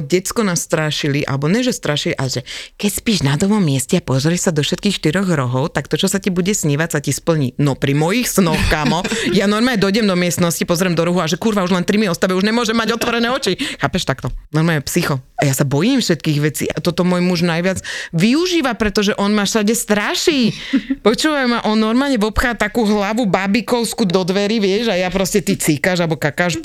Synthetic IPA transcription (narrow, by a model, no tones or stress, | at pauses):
ɟɛt͡skɔnast̪ɾaːʃiliʔa̰lɛbɔɲɛʒɛst̪ɾaːʃiliʔa̰lɛʒɛkɛcspiːʒnad̪ɔʋɔmːɪɛscɛapɔzɔɾɛʃsad̪ɔfʃɛt̪kiːxʃt̪iɾɔɣɾɔɦɔʊt̪akt̪ɔt͡ʃɔsacibuɟɛsɲiʋacsacispl̩ɲinɔpɾimɔjixsnɔxkaːmɔjanɔɾmaːɲɛd̪ɔjɟɛmd̪ɔmɪɛst̪nɔscipɔzɾɛmd̪ɔɾuɦuaʒɛkuɾʋauʒlɛnt̪ɾimiɔst̪aʋɛuʒɲɛmʊɔʒɛmːaɟɔt̪ʋɔɾɛnɛːɔt͡ʃixaːpɛʃt̪akt̪ɔnɔɾmaːlɲɛpsixɔajasabɔjimfʃɛt̪kiːɣʋɛt͡sḭːʔat̪ɔt̪ɔmwɔːjmuʒnajʋɪad͡zʋiuʒiːʋapɾɛt̪ɔʒɛʔɔnmaʃaɟɛst̪ɾaʃiːpɔt͡ʃuːʋajumaʔɔnːɔɾmaːlɲɛʋɔpxat̪akuːɦlaʋubabikɔʊskud̪ɔd̪ʋɛɾiʋɪɛʒajapɾɔscɛt̪it͡sikaʒalbɔkakaʃ